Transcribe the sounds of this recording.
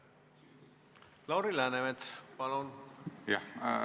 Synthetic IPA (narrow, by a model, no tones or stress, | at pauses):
lɑwɾilæːnemet̪pɑlonja